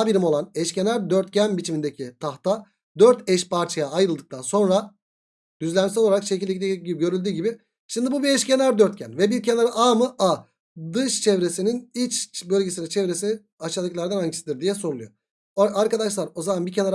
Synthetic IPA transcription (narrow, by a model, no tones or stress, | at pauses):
abiɾimo̞lˠanɛʃcʰe̞næɾd̪øɾt̪cʰænbit͡ʃʰimind̪ecʰit̪ʰaxt̪ʰa | d̪øɾt̪ʰɛʃpʰaɾt͡ʃʰajaːjɾɯlˠd̪ɯkt̪anso̞nɾa | d̪̥yzlʲæmsɛloloaɾakʃecilʲd̪ecid̪eciɟibiɟø̞ɾylʲd̪yːɟibi | ʃimd̪ibubiɛʃcʰe̞næɾd̪øɾt̪̚cʰænvɛbiɾcʰe̞naɾaʔamɯa | d̪ɯʃt͡ʃʰɛvɾe̞sininit͡ʃbø̞lʲɟe̞sinɛt͡ʃʰɛvɾe̞sii | aʃad̪ɯklˠaɾd̪anaɲcʰi̥sid̪ɯɾd̪ijɛso̞ɾulˠujo | aɾkad̪aʃlˠaɾo̞zamanbiɾcʰenaɾ